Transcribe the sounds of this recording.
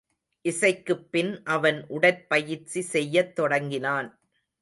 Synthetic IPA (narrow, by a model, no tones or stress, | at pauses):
ʔɪsɐɪkːɯpːɪnʔɐʋɐnʔʊɽɐɪpːɐjɪɾt͡ʃisɛjːɐt̪ːɔɽɐŋɡɪnaːn